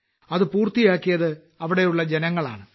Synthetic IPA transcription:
ɐðɨpuːrt̪ijaːkːijɐðɨ | ɐʋiɽe̞juɭːɐd͡ʑenɐŋːɐɭa̰ːɳɨ

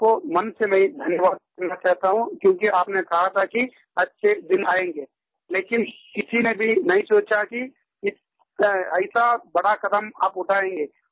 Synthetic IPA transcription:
komɐnsemɛ̃ĩd̪ʱɐnjəʋaːd̪̚kɐɾnat͡ʃaːɦt̪aɦũkjõːkiaːpnekɐɦat̪ʰaki | ɐtːʃʰed̪ɪnaːẽːŋɡeː | leːkɪnkɪsinebʱinɐɦĩsoːt͡ʃaki | ɪ | ɐɪsabɐɽakɐd̪əma̰ːpʊʈʰaːẽːŋɡeː

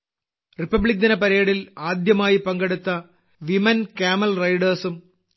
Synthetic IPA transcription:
ripːɐbɭik̚d̪inɐpɐɾeːɽilaːd̪jɐmaːjipɐŋɡeɽut̪ːɐ | ʋimɐnkaːmɐlrɐjɖɐrsum

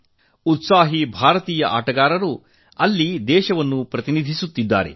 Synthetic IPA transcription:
ut̪saːɦibʱaːɾɐt̪iːjɐʔa̰ːʈɐɡaːɾɐɾu | ɐlːid̪ɛːʃɐʋɐnːupɾɐt̪inid̪ʱisut̪ːid̪ːa̰ːɾḛ

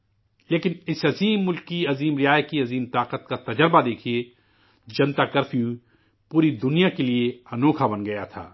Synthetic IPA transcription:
leːkɪnɪsɐziːmːʊlkːiɐziːmɾɪjaːjət̪kiɐziːmt̪aːqət̪̚kat̪ɐd͡ʒəɾbad̪eːkʰie | d͡ʒɐnt̪akɐɾfʰiu | puːɾid̪ʊnijakelieɐnoːkʰabɐnɡɐjat̪ʰa̰ː

